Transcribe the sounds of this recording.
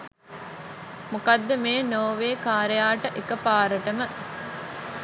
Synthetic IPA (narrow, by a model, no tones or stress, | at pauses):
mukad̪ːəmeːnoːʋeːkaːɾejaːʈəʔekəpaːɾəʈəmə